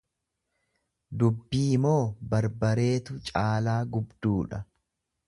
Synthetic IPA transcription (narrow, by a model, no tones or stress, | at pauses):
d̪ʊbːiːmo̞ːbɐɾbɐɾe̞ːt̪ʊt͡ʃʼaːlaːɡʊbd̪uːᶑɐ